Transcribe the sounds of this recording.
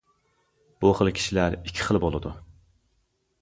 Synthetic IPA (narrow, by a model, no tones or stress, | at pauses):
b̥uχəlˠkʲʰi̥ʃilæɾikʲʰːi̥χəlˠbolˠɨd̪u